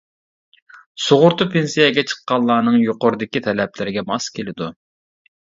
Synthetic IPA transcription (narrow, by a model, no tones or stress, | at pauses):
soʁʊɾt̪ʊpʰensijɛɡʲɛt͡ʃʰə̥qːɑllˠɑːnɨŋjoqʊɾɨd̪ɪkʲit̪ʰɛlɛplɪɾɪɡʲɛmɑskʲʰelɪd̪u